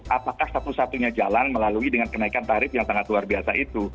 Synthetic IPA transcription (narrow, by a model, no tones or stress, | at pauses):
ʔapakahsat̪usat̪uɲad͡ʒalanməlaluidəŋankənaikant̪aɾɪfjaŋsaŋat̪luarbiasaʔit̪u